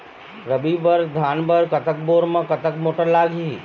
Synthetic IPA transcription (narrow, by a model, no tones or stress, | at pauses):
ɾəbibəɾd̪ʱaːnbəɾkɐt̪ək̚boːɾmãkɐt̪əkmoːʈəɾlaːɡi